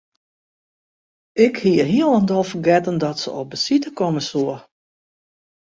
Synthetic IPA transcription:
ɪkhiəɦiəlˠəndɔlˠfərɡɛtəndɔtsəɔp̚dəsitəkɔməsuə

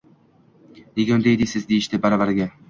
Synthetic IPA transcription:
neɡʲɒnd̪ejd̪ɪsɪzd̪ejɪʃt̪ɪbaɾɒvaɾɡʲa

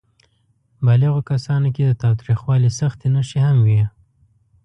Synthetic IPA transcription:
baliɣokasɑnoked̪ət̪ɑwt̪ɾixwɑlisaxt̪enaʃehamwi

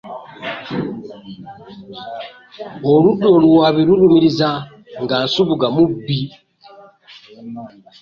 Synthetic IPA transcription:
oludolwaβiɾulumiɾiza | ŋɡansuβuɡamubi

